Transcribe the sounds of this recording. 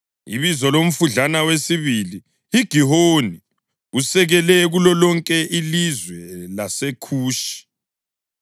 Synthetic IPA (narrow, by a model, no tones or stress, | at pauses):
ḭβizɔlom̩funɮanawesiβili | iɡ̥ʱiɦoni | usɛɣɛlɛɣulɔlɔŋkʼɛʔilizwɛlasekʰuːʃi̥